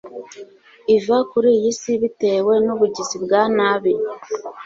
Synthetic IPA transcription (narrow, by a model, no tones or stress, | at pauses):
ivakuɾijisiβite̞we̞nuβuɟizibɡaːnaːβi